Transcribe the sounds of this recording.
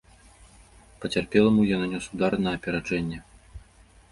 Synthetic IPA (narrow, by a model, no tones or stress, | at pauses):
pɐt͡sʲarpʲɛlˠɐmujananʲɔsud̪aɾnɐɐpʲɛɾat͡ʂɛnʲːɛ